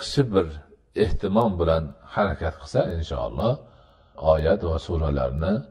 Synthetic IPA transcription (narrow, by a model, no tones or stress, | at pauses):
qʃɪbɪɾ | eht̪ʰɪmɒmbɪlanhaɾakʲʰat̪̚qʰɨ̥sainʃɑ̰ɑ̰lˠːɑh | ɒːjat̪vasuɾala̰ɾnɪ